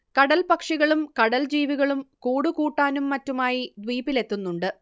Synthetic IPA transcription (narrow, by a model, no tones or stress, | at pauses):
kɐɽɐlpɐkʂiɣɐɭumkɐɽɐld͡ʑiːʋiɣɐɭumkuːɽukuːʈːaːnumːɐtːumaːjid̪ʋiːpile̞t̪ːunːuɳɖɨ